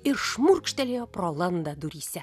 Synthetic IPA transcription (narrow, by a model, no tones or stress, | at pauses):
irʃmurk̆ʃt̪ælʲiprolˠand̪ad̪uɾʲisæ